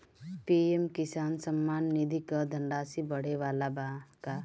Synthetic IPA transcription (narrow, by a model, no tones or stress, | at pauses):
piemkɪsaːnsəmːaːnːid̪ʱikəd̪ʱə̃ɳɖaːsibəɽ̤eʋaːlabaka